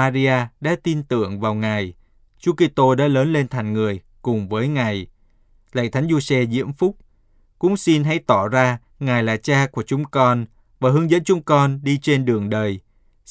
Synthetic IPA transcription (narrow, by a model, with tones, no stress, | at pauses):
aː˧zi˧aː˧ɗa̰ː˧˥t̪i˧nt̪ɨ̰˧˨əŋvaː˨˩wŋa˨˩j | t͡ɕu˨˦ki˧t̪o˧ɗa̰ː˧˥ləː˨˦nle˧nt̪ʰa˨˩ŋ̟ŋɨ˨˩əj | kʊ˨˩ŋ͡mvəː˨˦jŋa˨˩j | lə̰˧˨jt̪ʰa˨˦jŋ̟zu˧sɛ˧zḭ˧˥əmfʊ˦˥k͡p̚ | kʊ̰˧˥ŋ͡msi˧nɦa˧˥jt̪ɔ˧˩zaː˧ | ŋaː˨˩jlaː˨˩t͡ɕaː˧ku˧˩ət͡ɕʊ˨˦ŋ͡mkɔ˧n | vaː˨˩ɦɨ˨˦əŋzə̰˧˥nt͡ɕʊ˨˦ŋ͡mkɔ˧nɗi˧t͡ɕe˧nɗɨ˨˩əŋɗəː˨˩j